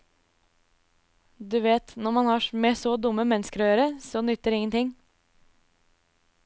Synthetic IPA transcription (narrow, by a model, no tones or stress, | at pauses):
d̪ʉːʋeːt̪nɔɾmɑnhɑːmeːsoːd̪ʊmːəmɛnəskəɾɔjøːɾəsoːnʏt̪ːəɾɪŋənt̪ɪŋ